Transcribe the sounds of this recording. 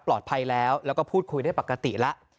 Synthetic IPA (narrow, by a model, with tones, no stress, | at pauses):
plɔː˨˩t̪̚pʰa˧jlɛː˦˥wlɛ˦˥wkɔː˥˩pʰuː˥˩t̪̚kʰu˧jda˥˩jpa˨˩kːa˧t̪i˨˩la˦˥ʔ